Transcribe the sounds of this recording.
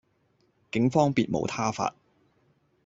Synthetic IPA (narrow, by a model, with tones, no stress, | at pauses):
kɪ˨˥ŋfɔː˥ŋpiː˨˧t̚mo̰˨˧˥wt̪ʰaː˥fa̰ː˧t̚